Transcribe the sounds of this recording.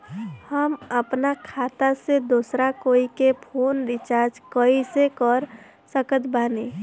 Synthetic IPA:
həməpnakʰat̪ased̪osɾakoikepʰonɾit͡ʃaɾd͡ʒkəisekəɾ | səkət̪bani

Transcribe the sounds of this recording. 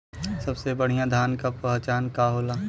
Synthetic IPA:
sɐbsebəɽ̤ijãd̪ʱaːnkapɐɦt͡ʃaːnkaɦoːlaː

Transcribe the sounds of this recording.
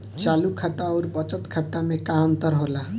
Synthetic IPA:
t͡ʃalukʰat̪aɔɾbət͡ʃət̪kʰat̪ːamekaɦənt̪əɾɦola

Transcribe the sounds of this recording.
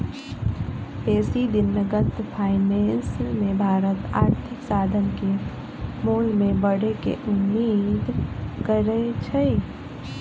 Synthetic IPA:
peːsid̪ɪnːəɡət̪pʰaːɪnensmẽbʱaːɾət̪a̰ːɾt̪ʰɪksaːd̪ʱənke | moːlmẽbəɽekḛʔʊmːiːd̪kəɾet͡ʃʰəj

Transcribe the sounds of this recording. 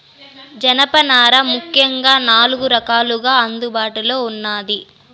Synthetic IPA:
d͡ʒɐnɐpɐnaːɾɐmukʰjɐŋɡaːnaːluɡuɾɐkaːluɡaːɐnd̪ubaːʈulo̞ːunːaːd̪i

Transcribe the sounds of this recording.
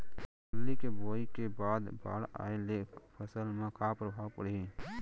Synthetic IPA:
ʊlːikeboːikebaːd̪ba̰ːɽa̰ːeleːkpʰəsəlmẽkʰaːpɾəbʱaːpəɽie

